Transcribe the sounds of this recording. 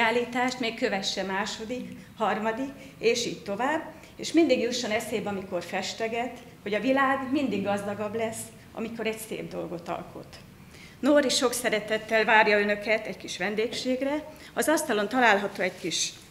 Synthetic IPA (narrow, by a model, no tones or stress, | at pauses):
aːlːiːt̪aːʃt̪meːkkø̞vɛʃɛmaːʃo̞d̪ik | hɒrmɒd̪ik | eːʃḭːɟ̚t̪o̞vaːbː | eːʃmind̪iɡjuʃːo̞nɛseːbɒmiko̞rfɛʃt̪ɛɡɛt̪ | ho̞ɟɒvilaːɡmind̪iɡːɒzd̪ɒɡɒblɛs | ɒ̰miko̞ɾɛcsḛːb̚d̪o̞̰lɡo̞t̪ɒ̰lko̞̰t̪ | noːɾiʃo̞ksɛɾɛt̪ɛt̪ːɛlvaːrjɒønø̞kɛt̪ɛckiʃʋɛnd̪eːkʃeːɡrɛ | ɒzɒst̪ɒlo̞nt̪ɒlaːlɦɒt̪oːɛckiʃ